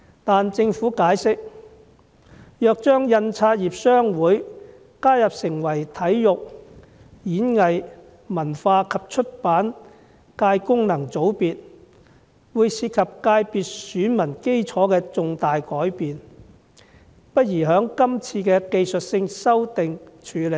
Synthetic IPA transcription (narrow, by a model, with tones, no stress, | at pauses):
t̪aː˨nt͡sɪ˧ŋfuː˨˥kaː˨˥jsɪ˥k̚ | jœː˨˧k̚t͡ʃœː˥ŋjɐ˧nt͡sʰaː˧t̚jiː˨p̚sœː˥ŋwuː˨˥j | kaː˥jɐ˨p̚sɪ˨˩ŋwɐ˨˩jt̪ʰɐ˨˥jjʊ˨k̚ | jiː˨˥nŋɐ˨j | mɐ˨˩nfaː˧kʰɐ˨p̚t͡ʃʰɵ˥t̚paː˨˥n | kaː˧jkʊ˥ŋnɐ˨˩ŋt͡so˨˥wpiː˨t̚ | wuː˨˧jsiː˧t̚kʰɐ˨p̚kaː˧jpiː˨˧t̚syː˨˥nmɐ˨˩nke˥jt͡sʰɔː˨˥kɛː˧t͡sʊ˨˧ŋt̪aː˨jkɔː˨˥jpiː˨n | pɐ˥t̚jiː˨˩ɦœː˨˥ŋkɐ˥mt͡sʰiː˧kɛː˧ke˧jsɵ˨t̚sɪ˧ŋsɐ˥wt̪ɪ˨ŋt͡ʃʰyː˨˧le˨˩